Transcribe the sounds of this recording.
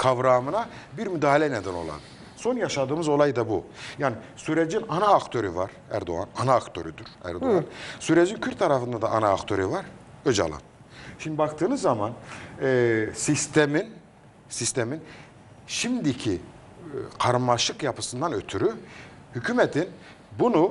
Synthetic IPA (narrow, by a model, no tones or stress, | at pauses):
kʰavɾaːmɯnabiɾmyd̪aːhalʲɛnɛd̪æno̞̰lˠa̰n | so̞njaʃad̪ɯːmɯzo̞lˠajd̪abujaːni | syɾɛd͡ʒinanaːkt̪ʰø̞ɾyvaɾ | æ̰ɾd̪o̰a̰nanaːkt̪ʰø̰ɾyd̪yɾæ̰ɾd̪oansyɾɛd͡ʒincʰyɾt̪ːʰaɾafɯnd̪ad̪aʔːnaːkt̪ʰø̞ɾyvaɾød͡ʒa̰lˠa̰n | ʃimd̪ibakt̪ʰɯːnɯzːaman | sist̪ʰɛmin | sist̪ʰɛmin | ʃimd̪icʰi | kʰaɾɯmːaʃɯkjapʰɯ̥sɯnd̪anøt̪ʰyɾy | hycʰymɛt̪ʰin | bunu